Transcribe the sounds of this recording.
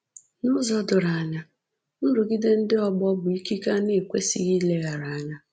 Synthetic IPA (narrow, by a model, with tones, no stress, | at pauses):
nʊ˦zɔ˦dʊ˨ɾa˨a˦˨ɲa˦ | n̩˦ɾʊ˨ɡi˦de˦n̩˦dɪ˦ɔ˦ɡ͡bɔ˦bʊ˨i˦ki˦ka˦ne˨kʷe˦sḭ˦ɣi˦le˦ɣa˨ɾa˨a˦ɲa˦